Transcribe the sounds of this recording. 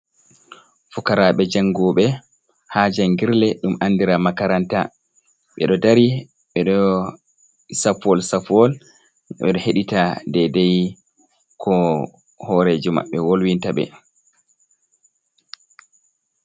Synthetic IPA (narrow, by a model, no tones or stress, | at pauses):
fukaɾaɓɛd͡ʒaŋːɡɔɓɛ | had͡ʒanŋɡiɾlɛɗumanːdiɾamakaɾanta | ɓɛ̰ɗɔdaɾi | ɓɛɗɔ | safɔlsafɔl | ɓɛ̰ɗɔheɗitadɛdɛj | kʰɔ | hɔɾed͡ʒuma̰ɓːɛwolwintaɓɛ̰